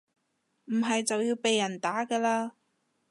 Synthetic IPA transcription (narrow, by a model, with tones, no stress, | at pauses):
m̩˨˩ɦɐ˨jt͡sɐ˨wjiː˧wpe˨jːɐ˨˩nt̪aː˨˥kɐː˧laː˧